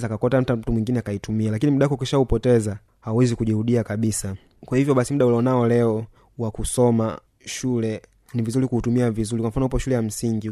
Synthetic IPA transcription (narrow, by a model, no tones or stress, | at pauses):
zakakɔtam̩tatumwiŋɡinɛakaitumialakinim̩ɗakɔkiʃaupɔtɛza | hawɛzikuʄihuɗiakaɓisa | kwahivjɔɓasimuɗaulɔnaɔlɛɔ | wakusɔma̰ | ʃulɛ | nivizulikuːtumiavizulikwam̩fanɔupɔʃulɛjam̩siŋɡi